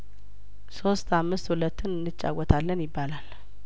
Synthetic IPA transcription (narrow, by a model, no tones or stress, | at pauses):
so̞st̪ʰamːɨst̪hulət̪ːɨnɨnːɨt͡ʃʼːa̰wɔt̪ʰalːənjɪbːalal